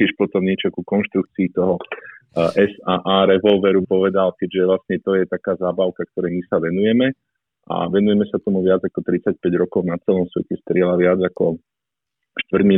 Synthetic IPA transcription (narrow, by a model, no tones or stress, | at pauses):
ɛʃpɔt̪ɔmɲɛt͡ʃɔkukɔnʃt̪ɾuk̚t͡siːt̪ɔɦɔ | ʔɛsaːʔaːɾɛʋɔlʋɛɾupɔʋɛd̪alkɛɟʒɛʋlasɲɛt̪ɔjɛt̪akaːzaːbaʊkak̚t̪ɔɾɛjmisaʋɛnujɛmɛ | ʔa̰ʋɛnujɛmɛsat̪ɔmuʋɪad͡zakɔt̪ɾit͡sac̚pɛɟɾɔkɔʊnat͡sɛlɔmsʋɛcɛst̪ɾɪɛlaʋɪad͡zakɔ | ʃt̪ʋrɟmi